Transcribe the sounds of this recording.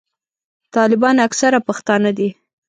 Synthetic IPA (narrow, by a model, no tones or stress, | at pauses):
t̪ɑlɪbɑnaksaɾapaxt̪ɑnad̪i